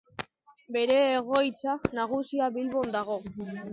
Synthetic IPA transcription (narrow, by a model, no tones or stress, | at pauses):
be̞ɾe̞ːɣ̞o̞jt͡sanaɣ̞usiaβilβo̞nd̪aɣo̞